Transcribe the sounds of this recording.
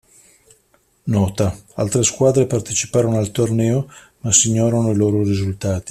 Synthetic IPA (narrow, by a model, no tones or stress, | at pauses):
nɔːt̪aalt̪ɾeskwaːd̪ɾepart̪et͡ʃipaːɾonoalt̪ornɛːo | masiɲːoːɾanoiloːɾorizult̪aːt̪i̥